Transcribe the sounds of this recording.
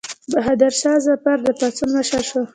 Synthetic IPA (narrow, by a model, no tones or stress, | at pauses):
baɦad̪aɾsɑzapaɾd̪əpat͡sunmaʃaʃo